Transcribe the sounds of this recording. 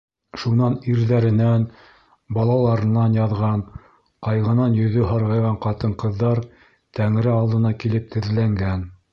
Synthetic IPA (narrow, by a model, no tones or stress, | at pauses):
ʃunɑniɾðæɾɘ̆næn | bɑlˠɑlˠɑɾɤ̆nɑnjɑðʁɑn | qɑjʁɤ̆nɑnjɵ̆ðɵɦɑɾʁɑjʁɑɴqɑt̪ɤɴqɤ̆ðːɑɾ | t̪æŋɾɘɑlˠd̪ɤ̆nɑkilɘp̚t̪ʰɘ̆ðlæŋɡæn